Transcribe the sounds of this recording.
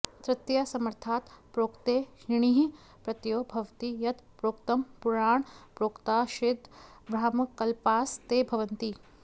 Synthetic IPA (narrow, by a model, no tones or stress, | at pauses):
t̪ɾɪt̪jɐsɐməɾt̪ʰaːt̪pɾoːkt̪eːʃɪɳ̃iːɦi | pɾɐt̪joːbʱɐʋt̪ijɐt̪pɾoːkt̪ɐmpuɾaːɳ̃pɾoːkt̪aːʃɪd̪ʱ | bɾaːmɐkːɐlpaːst̪eːbʱɐʋɐnt̪i